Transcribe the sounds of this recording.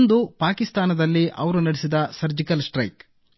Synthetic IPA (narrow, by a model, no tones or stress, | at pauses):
nd̪upaːkist̪aːnɐd̪ɐlːiʔɐʋɐɾunɐɽesid̪ɐsɐɾd͡ʒikɐlsʈɾɐjk